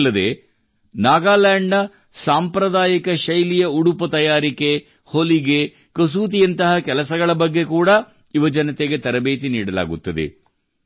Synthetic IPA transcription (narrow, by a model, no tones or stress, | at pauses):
lːɐd̪ḛː | naːɡaːlaːɳɖɐ | saːmpɾɐd̪aːjɐkɐʃɐjlijɐuɽupɐt̪ɐjaːɾike̞ | holiɡe | kɐs̬uːt̪̬ijɐnt̪ɐɦɐkɛlɐsɐɡɐɭɐbɐɡːe̞kuːɽɐ | iʋɐd͡ʒɐnɐt̪eɡe̞t̪ɐɾɐbeːt̪iniːɽɐla̰ːɡut̪ːɐd̪ḛ